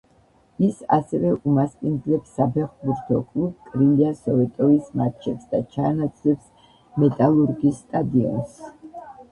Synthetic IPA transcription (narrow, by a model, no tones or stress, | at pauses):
isa̰sɛvɛʔumaspʼind̪lɛpsːapʰɛχbuɾt̪ʰɔkʼlˠub̚kʼɾimiasɔvɛt̪ʼɔvismaɾt͡ʃʰɛpsd̪at͡ʃʰaːnat̪sʼʰlɛps | mɛt̪ʼalˠuɾɡisːt̪ʼad̪iɔ̰ns